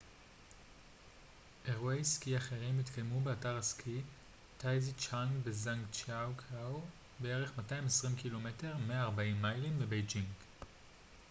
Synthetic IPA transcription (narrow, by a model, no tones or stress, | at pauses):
ʔe̞ʁuejskiaχeʁimːitkʰajmube̞ataʁaskʰi | tʰajzit͡ʃaŋɡbezaŋkt͡ʃawkʰaw | bee̞ʁe̞χmataimesʁimkilo̞me̞te̞ʁmeaːʁbaimːajlimbebejd͡ʒiŋɡ